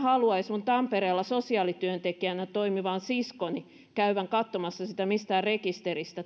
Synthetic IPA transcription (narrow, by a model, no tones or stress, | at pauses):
hɑluɑismunt̪ɑmpeɾeːlːɑsosiɑːlit̪yønt̪ekiænæt̪oimiʋɑːnsiskoni | kæyʋæŋkɑt̪ːomɑsːɑsit̪æmist̪æːrrekist̪erist̪æ